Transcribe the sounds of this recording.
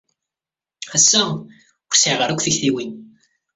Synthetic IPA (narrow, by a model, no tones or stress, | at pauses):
æsːæ | ʊɾsiʕʁəɾækʷːθəçθiwin